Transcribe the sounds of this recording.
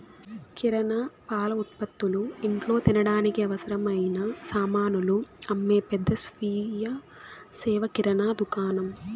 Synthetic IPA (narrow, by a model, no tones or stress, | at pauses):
kiɾɐnɐpaːlɐut̪̚pɐt̪ːuluiɳʈlo̞ːt̪inɐɽaːnikiɐʋɐsɐɾɐmɐjinɐsaːmaːnuluɐmːeːpɛd̪ːɐsʋiːjɐ | sɛːʋɐkiɾɐnaːd̪ukaːnɐm